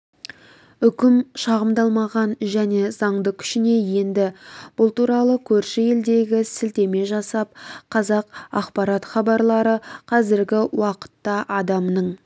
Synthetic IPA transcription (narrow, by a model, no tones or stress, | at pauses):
ʏkʲɪmʃɑʁəmd̪ɑlˠmɑʁɑnʒæne̞z̥ɑɴd̪əkʲʰʏ̥ʃɪne̞je̞nd̪ɪb̥ʊlˠt̪uɾɑlˠəkʲʰɵɾʃɪje̞ld̪e̞ɡʲɪsɪlt̪e̞me̞ʒɑsɑp̚qʰɑzɑqɑ̰qpɑɾɑt̪χɑbɑɾlˠɑɾəqʰɑzɪɾɡʲɪwɑqə̥t̪ːɑʔɑd̪ɑmnəɴ